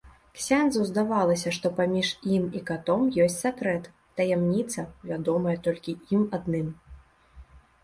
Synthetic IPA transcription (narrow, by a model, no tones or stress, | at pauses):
ksʲanzɐwzd̪avalˠɐsʲɐʂt̪ɔpamʲiʂimikat̪ɔmjɔsʲtʲt͡sʲsakɾɛt̪ːɐjɛmnʲit̪sɐvʲad̪ɔmɐjɛt̪ɔlʲkʲiimad̪nɨm